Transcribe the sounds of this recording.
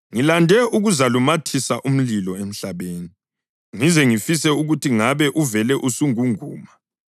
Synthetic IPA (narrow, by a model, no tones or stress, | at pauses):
ŋilandʱɛʔuɣuzalumatʰisaʔum̩lilɔem̩ɬaβeːni | ŋizɛŋifisɛuɣutʰiŋaβɛʔuvɛlɛʔusuŋuŋuːma